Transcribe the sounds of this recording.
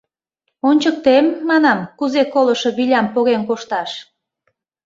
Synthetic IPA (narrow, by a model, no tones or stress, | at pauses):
onʲt͡ɕək̚t̪emːɑnɑmkuzekoləʃo̽βilʲɑmpoɣenkoʃt̪ɑʃ